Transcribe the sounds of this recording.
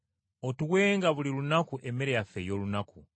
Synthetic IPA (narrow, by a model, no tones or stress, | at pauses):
otuɣweːŋɡaβulilunakuʔemeɾejafejo̞lunaku